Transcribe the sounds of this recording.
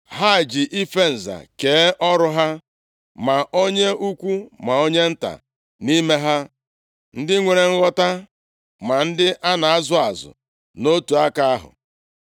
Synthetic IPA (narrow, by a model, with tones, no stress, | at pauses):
ha˦˨d͡ʒɪ˨ʔi˦fe˦n̩˨za̰˨ke˨˦ʔɔ˦ɾʊ˦ɦa˦ | ma˨o˦ɲe˦u˦kʷu˦ma˨o˦ɲe˦n̩˦ta̰˨ | ni˦me˦ɦa˦ | n̩˦dɪ˦ŋʷe˨ɾe˨ŋ̩˦ɣɔ˦ta˦ | ma˨n̩˦dɪ˦ʔa˦na˨a˦zʊ˦a˨zʊ̰˨ | no˦tu˨a˦ka˦a˦ɦʊ̰˨